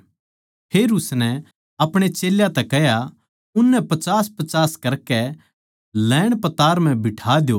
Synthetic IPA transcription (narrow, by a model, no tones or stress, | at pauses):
pʰeːɾʊsnɛ | ɐpɽ̃et͡ʃeːljat̪ɛkɛɦja | ʊnːɛpɐt͡ʃaːspɐt͡ʃaːskɐɾkɛ | lɛːɽ̃pɐt̪aːɾm̤ɛ̃bɪʈʰaːd̪jo